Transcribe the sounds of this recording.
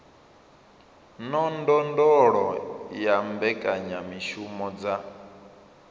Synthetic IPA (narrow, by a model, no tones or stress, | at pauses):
nɔndɔndɔɺɔjambɛkʼaɲamiʃumɔd͡za